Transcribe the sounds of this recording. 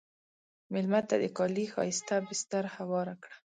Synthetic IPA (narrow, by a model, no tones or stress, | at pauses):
mɪlmat̪ːa̰d̪əkɑlixɑ̰jɪst̪abɪst̪aɾhawɑɾakɽa